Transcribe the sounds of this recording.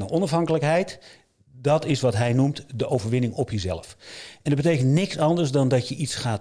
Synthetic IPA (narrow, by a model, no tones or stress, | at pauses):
nəʔɔnɑfɦɑŋkələkɦɛjt | dɑtɪsʋɑtɦɛjnumtdəʔowvəɹʋɪnɪŋɔpjəzɛ̰ləfɛndɔd̚bətejkəntnɪksɑndəɹsdɔndɔtjəʔitsχaːt